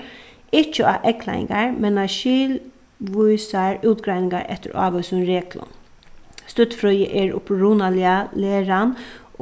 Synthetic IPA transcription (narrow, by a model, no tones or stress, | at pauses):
ɪt͡ʃəɑ̰ːʔɛkʰla̰ɪ̰ŋɡaɹmɛnɑʃiːl | ʋuɪsaɹʉːt̪ɡɾæɪjnɪŋɡaɹɛ̰t̪ːə̰ɾɑ̰ːʋœsʊnɾeːkʰlʊ̰n | st̪ʏt̪fɾœjə̰ʔɛɹʊ̰pɾuːnalɪaleːɾan